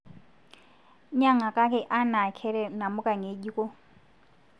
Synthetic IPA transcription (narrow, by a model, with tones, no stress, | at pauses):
ɲa˨ŋa˨kʼa˦k̬ʼɛ˨ʔa˦na˨kʰɛ˦lɛ˨na˨mʊ˦kʼa˨ŋe˨˦ʄi˦kʼɔ˦